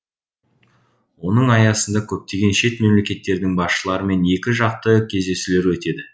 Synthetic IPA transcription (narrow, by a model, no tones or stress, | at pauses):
wo̞nəɴɑjɑsənd̪ɑkʲʰɵp̚t̪e̞ɡʲe̞nʃe̞t̪me̞mle̞kʲe̞t̪ːe̞ɾd̪ɪŋbɑsʃəlˠɑɾəme̞ne̞kʲɪʒɑq̚t̪əkʲʰe̞zd̪e̞sule̞ɾwɵt̪e̞d̪ɪ